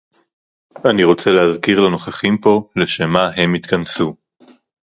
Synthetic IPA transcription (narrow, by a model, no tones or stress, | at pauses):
aniʁo̞t͡se̞lehazkiʁlano̞χaχimpo̞leʃemaɦe̞mit̪kɐnsu